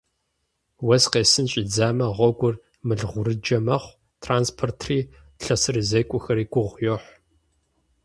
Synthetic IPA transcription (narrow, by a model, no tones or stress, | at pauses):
wɐsqeːsɨnt͡ʃʼid͡zaːmɐʁʷɔɡʷʼʊr | mɨɮʁʷʊɾɨd͡ʒɐmɐχʷ | tʰraːnspʰortʰriː | ɬɐsɨrɨzɐjkʷʼʊxɐɾiːɡʷʊʁʷjoħʷ